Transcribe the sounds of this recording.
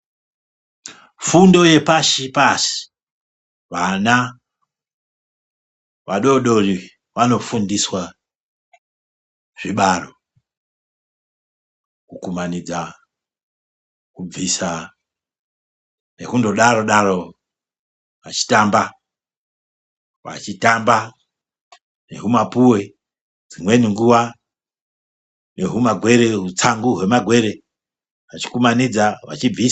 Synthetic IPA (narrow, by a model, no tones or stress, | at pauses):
fundo̞je̞paʃipasi̥ | ʋana | ʋaɗo̞ɗori | ʋano̞fundiswa | ʐ̥iɓaro | kukumanid͡za | kub͡visa | nḛkundoɗaɾo̞ɗaɾo | ʋat͡ʃi̥tamba | wa̰t͡ʃitamba | neɦumapuwe̞ | d͡zimwe̞niŋɡuwa | neɦumaɡʱwe̞ɾeɦut͡saŋɡuɦwe̞maɡʱwe̞ɾe | ʋat͡ʃi̥kumanid͡zawa̰t͡ʃib͡vi